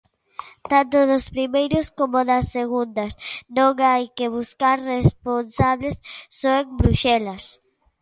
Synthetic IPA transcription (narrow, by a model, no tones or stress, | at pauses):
t̪ant̪ʊðʊspɾimejɾʊskomoðɐsːeɣund̪ɐsnõŋajkeβuskaɾresponsaβlesːoeŋbɾuʃɛlɐs